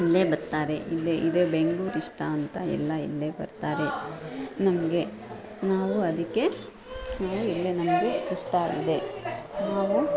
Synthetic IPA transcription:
ilːe̞ːbɐɾt̪aːɾe̞ʔilːeʔid̪ebeŋɡɭuːɾiʂʈaɐnt̪ɐɛ̰lːɐḭlːe̞ːbɐ̰ɾt̪aːɾe̞ | nɐmɐɡe̞ | naːʋuɐd̪ɐkːe̞ | naːʋuilːenɐmɐɡe̞iʂʈaḭd̪e̞naːʋu

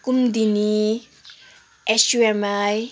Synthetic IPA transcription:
kumd̪ini | ɛʃuɛmaj

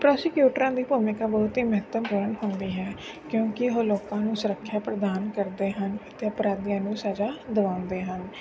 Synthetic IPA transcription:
pɾɔːsɪkjuːʈɾãːd̪iːpuːmɪkaːbəːʊt̪ɦiːməɦət̪əmpuːɾəɳɦʊnd̪iːɦɛː | kjõːkɪɦoːloːkãːnũːsʊɾəkʰːjaːpɾəd̪aːnkəɾd̪eːɦənət̪eəpɾaːd̪ijãːnũːsaːd͡ʒaːd̪əʋãːʊ̃nd̪eːɦən

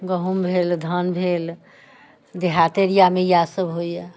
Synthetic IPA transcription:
ɡəɦumbʱeld̪ʱənbʱel | d̪eɦat̪eɾijamejasəbɦoje

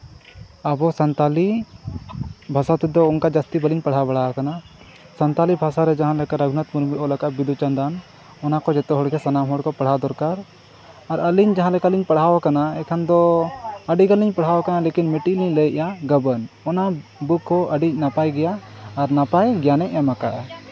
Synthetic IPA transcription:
əbɔsant̪ali | bʱasat̪ɛd̪ɔunkad͡ʒast̪ibəliɲpaɽ̤ɦabaɽ̤awakana | sɐnt̪alibʱasaɾɛd͡ʒaɦãlɛkaɾəɡʱnət̪muɾmiʔɔlakaʔbid̪ʱut͡ʃand̪an | ɔnakɔd͡ʒɛt̪ɔɦɔɽɡɛsanamɦɔɽkɔpɐɽ̤ad̪ɔɾkaɾ | aɾəliɲd͡ʒaɦãlɛkaliɲpaɽɦawakanaɛkʰand̪ɔəɖiɡəliɲpaɽ̤ɦawakanalekinmiʈiliɲləjʔjaɡəbənɔnabukːɔəɖic̚napajɡɛjaːɾnapajɡɛjanɛʔjamaka̰ʔ

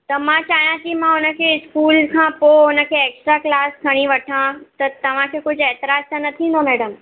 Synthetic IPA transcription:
t̪ɐmãt͡ɕaːɦjãkimãʊnə̆kʰeɪskuːlkʰãːpoʊnə̆kʰeːeːksʈɾaːklaːskʰɐɽ̃iʋɐʈʰãt̪ɐt̪ɐʋ̤ãkʰeːkʊd͡ʑʱeːt̪ɪɾaːzt̪anɐt̪ʰĩːn̆d̪omɛːɽəm

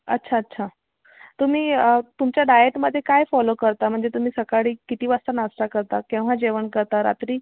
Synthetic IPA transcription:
ə̰tːɕʰaətːɕʰa | t̪um̤iːət̪umt͡ɕjaɖajeʈməd̪ʱːjekajfɔlokəɾt̪am̤əɳd͡zet̪um̤iːsəkaɽiːkit̪iːʋast̪anasʈakəɾt̪akɛ̃w̃ʋ̤ad͡ʑeʋənkəɾt̪aɾa̰t̪ɾiː

